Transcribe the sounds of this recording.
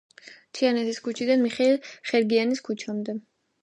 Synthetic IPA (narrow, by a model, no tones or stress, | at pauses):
t̪ʰianɛt̪ʰiskʰut͡ʃʰid̪anmiχɛilˠχɛɾɡianiskʰut͡ʃʰamd̪ɛ